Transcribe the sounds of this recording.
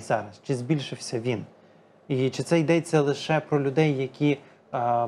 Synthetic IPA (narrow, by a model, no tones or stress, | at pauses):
zɑɾɐst͡ʃɪzbʲilʲʃɪwsʲɐʋʲin | it͡ʃɪt̪sɛjd̪ɛt͡sʲːɐlˠɪʃɛpɾɔlʲʊd̪ɛjːɐkʲi